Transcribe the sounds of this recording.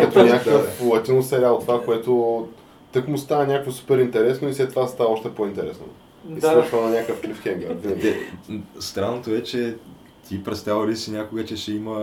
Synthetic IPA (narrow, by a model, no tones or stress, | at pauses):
kɐt̪onʲakkəflˠɐt̪ʲinosɛɾʲaot̪ːovakoɛt̪o | t̪əkmust̪avənʲakkvosu̥pɛɾint̪ɛɾɛsnoislɛt̪ːovast̪avəɔʃt̪ɛpoint̪ɛɾɛsno̰ | iskaʃvənɐnʲakəfklifxʲɛŋɡəvinəɡʲɛst̪ɾanːot̪oɛt͡ʃɛ | t̪ʰʲipɾɛt̪st̪avəɾisinʲakoɡət͡ʃɛʃɛimə